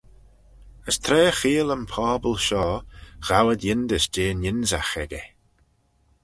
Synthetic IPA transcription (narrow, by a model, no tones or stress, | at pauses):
əst̪ʰɾɛːxiːələmpʰɔːbəlˠʃɔːɣ̥awəd̪jɪnd̪əsd͡ʒeːnjɪnza̰xɛɡɛ